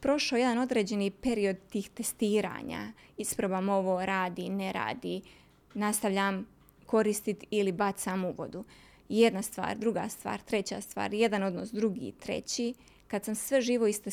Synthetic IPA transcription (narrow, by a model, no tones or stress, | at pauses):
pɾo̞ʃaoje̞d̪ano̞d̪ɾe̞ːd͡ʑe̞niːpe̞ɾio̞d̪̚t̪iːxt̪est̪iːɾa̰ːɲa̰ispɾobamo̞ʋoːɾaːd̪iːne̞ɾa̰ːd̪iː | nast̪aʋʎam | ko̞ɾist̪it̪ilibat̪samuʋo̞̰d̪u | jed̪nast̪ʋa̰ːɾd̪ɾuɡa̰ːst̪ʋa̰ːɾt̪ɾe̞t͡ɕa̰st̪ʋa̰ːɾje̞d̪ano̞d̪no̰sd̪ɾuɡḭːt̪ɾe̞̰t͡ɕi | kad̪samssʋe̞ʒiːʋo̞ist̪e